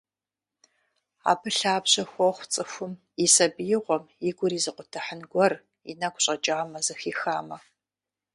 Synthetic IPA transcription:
a̰ːbɨɬaːbɕɐxʷɔχʷt͡sʼɨxʷʊm | isɐbjɪʁʷɔmjɪɡʷʊɾiːzɨqʷʼʊtʰɐħənɡʷɔr | ḭnɐkʷʼɕʼɐt͡ʃʼaːmɐzɨxiːxaːmɐ

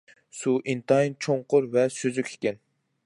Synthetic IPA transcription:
suʔint̪ɑint͡ʃʰoɴqʊɾvɛsøzykʲʰe̥kʲɛn

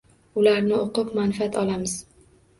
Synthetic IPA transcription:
ʊlaɾnɪoqɨpmanfiat̪ʰɒlamɪz

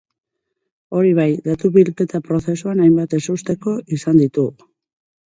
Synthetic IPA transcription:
o̞ɾiβ̞ajd̪at̪uβilke̞t̪apɾo̞θe̞suanajmbat̪e̞sust̪e̞ko̞ʔisand̪it̪u

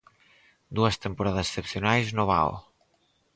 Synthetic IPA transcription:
d̪uɐst̪empoɾaðɐse̥sepθionajznoβa̰o̰

